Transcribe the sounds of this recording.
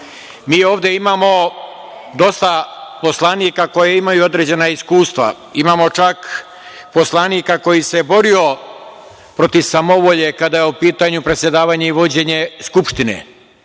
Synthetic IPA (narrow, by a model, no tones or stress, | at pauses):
miːo̞ːʋd̪e̞imaːmo̞ | d̪o̞st̪apo̞slˠaniːkako̞jeimajuo̞d̪ɾe̞d͡ʑe̞naiskuːst̪ʋa̰ | imaːmo̞t͡ʃak | po̞slˠaniːkako̞jise̞bo̞ɾio̞ | pɾo̞t̪iʋsamo̞ʋo̞ʎe̞kad̪ajeupiːt̪aɲupɾe̞t̪sje̞d̪aːʋaɲeiʋo̞d͡ʑe̞ɲe̞skupʃt̪inḛ